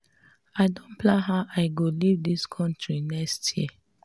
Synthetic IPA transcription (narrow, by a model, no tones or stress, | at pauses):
aɪdõnpʰlãɦaʊʔaɪɡolivdiskʰɔ̃ntʰɹinɛkstʰji